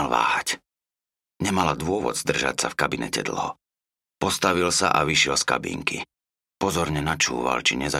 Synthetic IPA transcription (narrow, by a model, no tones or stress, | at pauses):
lʋa̰ːhac | ɲɛmalad̪ʊɔʋɔ̰d̪z̥d̪r̩ʒa̰csafkabinɛ̰cɛ̰d̪l̩ˠɦɔ̰ | pɔst̪aʋilsa̰ʔaʋiʃɪɛlska̰bḭːŋkḭ | pɔzɔɾɲɛnat͡ʃṵːʋa̰lt͡ʃiɲɛza